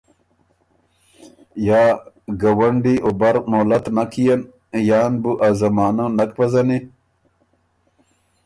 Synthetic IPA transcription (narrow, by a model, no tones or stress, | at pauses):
jaː | ɡɐwɐɳɖiʔobɐɾnoːlɐt̪nakijɐn | jaːnbuʔazɐmaːnɐnɐkpɐzɐni